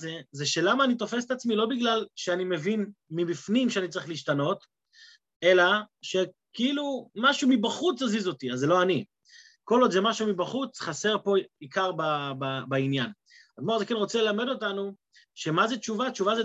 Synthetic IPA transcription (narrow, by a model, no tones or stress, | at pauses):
zezeʃe̞lamaːnit̪o̞fes̬e̥t̪at͡smilo̞biɡlalʃeanime̞vinmibifnimʃeanit͡saʁiχliʃtano̞t | e̞laʃe̞ | kiilumaʃumibaχut͡sazizo̞tiazːeloani | ko̞lod̪zemaʃumibaχut͡sχase̞ʁpo̞ikaʁbababainjan | aɡ̪moʁazekenʁo̞t͡selelame̞do̞tanu | ʃe̞mazett͡ʃuvatt͡ʃuvaze